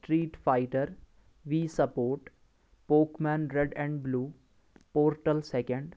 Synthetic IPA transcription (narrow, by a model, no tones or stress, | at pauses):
ʈɾiːʈfaɪʈəɾ | ʋiːsəpoːɾʈ | poːkmɛ̃ːnɾɛɖɛ̃ɳɖbluː | poːɾʈəlsɛkə̃ɳɖ